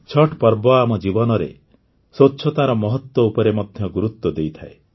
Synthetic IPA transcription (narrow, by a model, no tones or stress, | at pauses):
t͡ʃʰɔʈpɔɾbɔamɔd͡ʒibɔnɔɾḛ | sotːʃʰɔt̪aɾɔmɔɦɔt̪wɔupɔɾemɔd̪ʱjɔɡuɾut̪ːɔd̪ejt̪ʰae